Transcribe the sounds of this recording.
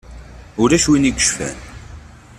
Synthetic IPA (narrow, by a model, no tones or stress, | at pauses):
ʊɾæʃwiniɡə̥ʃfæ̰n